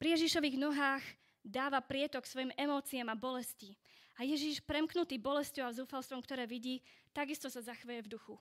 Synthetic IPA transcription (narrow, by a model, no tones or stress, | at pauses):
pɾijɛʒiʃɔʋiːɣnɔɦaːx | d̪aːʋapɾɪɛt̪ɔksʋɔjimɛmɔːt͡siamabɔlɛsci | ajɛʒiʃpɾɛmknut̪iːbɔlɛscɔʊazuːfalst̪ʋɔmkt̪ɔɾɛːʋiɟiːt̪aɡist̪ɔsazaxʋɛjɛvd̪uxu